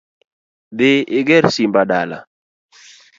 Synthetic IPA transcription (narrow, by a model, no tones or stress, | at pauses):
dɪɪɡɛɾsimbadala̰